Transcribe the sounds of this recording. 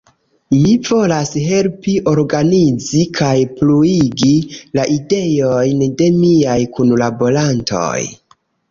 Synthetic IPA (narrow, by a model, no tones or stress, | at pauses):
mivo̞lasɦe̞lpiʔo̞ɾɡanid͡zikʰajpluiɡilaʔide̞jo̞jnde̞miajkunlabo̞lanto̞̰j